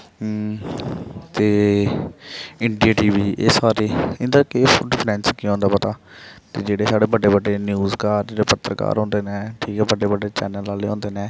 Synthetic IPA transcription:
t̪eː | ɪɳɖiaːʈiːʋiːeːsaːɾeːɪnd̪əɾkefɖɪpʰɾɛ̃ːnskiõːnd̪aːpət̪aː | t̪eːd͡ʒeːɽeːsaːɽeːbəɖːeːbəɖeːnjuːzkaːɾd͡ʒeːɽeːpət̪ːɾəka̰ːɾɦõːnd̪eːneːʈʰiːkɛːbəɖːeːbəɖːeːt͡ʃɛ̰ːnəlaːleːɦõːnd̪eːnẽː

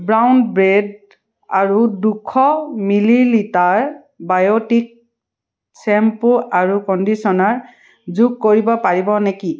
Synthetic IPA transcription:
bɹawnbɹed | a̰ɹudukʰːɔmililitaɹ | bajotik̚ | sɛmpuʔaɹukɔndisɔnaɹ | zuɡ̚koɹibɔpaɹibɔneki

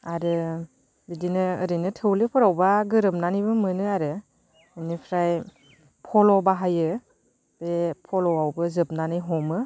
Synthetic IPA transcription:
aɾɯ | bidinɯːɾɯjnɯtʰɯwlɯpʰɔɾawbaɡɯɾɯp̚nanibɯmɯnɯaɾɯ | ɯnipʰɾaj | pʰɔlɔbaɦajɯ | bepʰɔlɔawbɯzɯp̚nanɯjɦɔmɯ

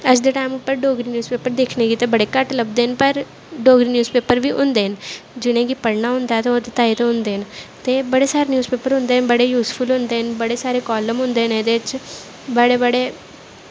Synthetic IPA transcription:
əd͡ʒd̪eːʈaːɪmʊpːəɾɖoːɡɾiːnjuːzpeːpəɾd̪eːkʰneːɡiːt̪eːbəɽeːkəʈləbd̪eːənpəɾ | ɖoːɡɾiːnjuːzpeːpəɾʋiːʔʊ̰̃nd̪eːɦənd͡ʒɪñẽːɡipəɽnaɦʊ̃nd̪at̪eːt̪et̪aːit̪oɦʊ̃nd̪eːənt̪eːbəɽeːsaːɾeːnjuːzpeːpəɾɦʊ̃nd̪eːɦənbəɽeːjuːspʰʊlɦʊ̃nd̪eːɦənbəɽeːsaːɾeːkɔːləmɦʊ̃nd̪eːned̪eɪt͡ʃ | bəɽeːbəɽeː

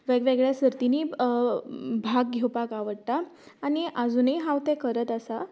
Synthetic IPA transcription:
ʋeɡʋeɡɭjasəɾt̪iniː | bʱaɡ̚ɡʱewpakaʋəɽt̪aː | ñiʔad͡zuːnəiɦãwt̪ẽkəɾət̪əsa

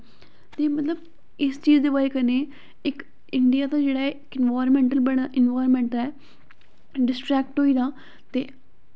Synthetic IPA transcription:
t̪eːmət̪ləb | ɪst͡ʃiːd͡ʒd̪eːbaːɾeːkəneː | ɪk | ɪɳɖijaːt̪aːd͡ʒeːɽaːɪkɪnʋaːɾmɛ̃ːɳʈəlbəɽʔɪnʋaːɾmɛ̃ːɳʈɛː | ɖɪsʈɾɛːk̚ʈɦoːiːd̪ãː | t̪ḛː

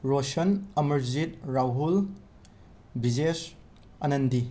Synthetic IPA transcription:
ɾosɐnemɐɾzit̚ɾawɦul | bid͡ʒes | ɐnɐndi

